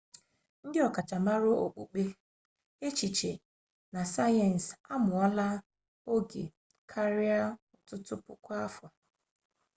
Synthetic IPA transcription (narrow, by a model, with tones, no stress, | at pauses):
n̩˦dɪ˦ɔ˨ka˨t͡ʃa˨ma˦ɾo˦o̰˨k͡pu˨k͡pe˦ | e˦t͡ʃi˨t͡ʃe˨ | na˨sa˦jɛ˨n̩˨sa˦mʊ˨ɔ˦la˦ | o˦ɡḛ˨ | kʰa˦ɾi˦a˦ʊ˨tʊ˦tʊ˦pʊ̰˨kʷa˦fɔ˨